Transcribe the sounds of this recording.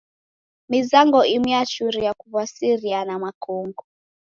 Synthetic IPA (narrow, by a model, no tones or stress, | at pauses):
mizaŋɡɔʔimwiat͡ʃuɾiakuβwasiɾianamakɔŋɡɔ